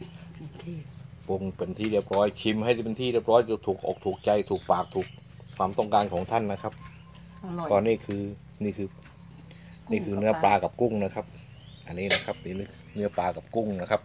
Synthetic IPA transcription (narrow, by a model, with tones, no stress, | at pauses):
po˧ŋpe˨nt̪ʰiː˧˩di˧˩əp̚ɾɔː˦˥jkʰi˧mha˧˥˩jɾa˧˩pe˨nt̪ʰiː˧˥˨i˥˩əp̚ɾɔː˧˥˩ju˧˩t̪ʰuː˨˩k̚ʔɔ̰ː˨˩k̚t̪ʰuː˨˩k̚t͡ɕa˧jt̪ʰuː˨˩k̚paː˨˩k̚t̪ʰuː˨˩k̚ | kʰwaː˧˩mt̪ɔ˧˥˩ŋkaː˧nkʰɔː˨˦ŋt̪ʰa˧˥˩nːa˧˥kʰa˦˥p̚ | kɔː˧nːiː˧˥˩kʰɯː˧ | niː˧˥˩kʰɯː˧ | niː˥˩kʰɯː˧nɯ˧˥ɐplaː˧ka˨˩p̚ku˥˩˨ŋna˧˥kʰa˧˥p̚ | ʔa˨˩nːiː˧˥˩na˦˧˥kʰa˦˥p̚niː˧˩n˧˥˩ | nɯ˦˥ɐpaː˧ka˨˩p̚ku˥˩ŋna˦˥kʰa˦˥p̚